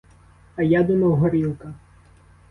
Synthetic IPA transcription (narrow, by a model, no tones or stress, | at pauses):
ɐjad̪ʊmɐwɦɔɾilˠkɐ